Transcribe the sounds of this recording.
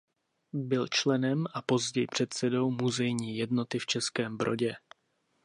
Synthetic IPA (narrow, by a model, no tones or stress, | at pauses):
bɪlt͡ʃlɛnɛmʔapo̞zɟɛjpr̥ɛt̪sɛdo̞wmuzɛjɲiːjɛdno̞t̪ɪft͡ʃɛskɛːmbɾo̞̰ɟɛ